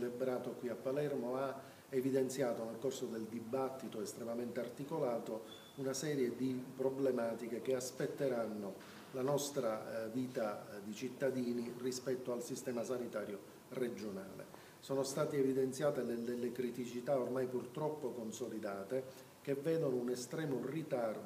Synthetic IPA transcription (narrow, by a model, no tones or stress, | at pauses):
lebɾaːt̪okwiapːalɛrmoa | evid̪ent̪sjaːt̪onelkorsod̪eld̪ibat̪ːit̪oest̪ɾemament̪eart̪ikolaːt̪o | unasɛːɾjed̪ipɾoblemaːt̪ikek̟easpet̪ːeɾanːo | lanɔst̪ɾaviːt̪ad̪it͡ʃit̪ːad̪iːnirispɛt̪ːoalsist̪ɛːmasanit̪aːɾjo | red͡ʒona̰ːlḛ | soːnost̪aːt̪eːvid̪ent̪sjaːt̪enelːelːekɾit̪it͡ʃit̪aormajpurt̪ɾɔpːokonsolid̪aːt̪e | k̟evːɛːd̪onounest̪ɾɛːmorit̪ard̪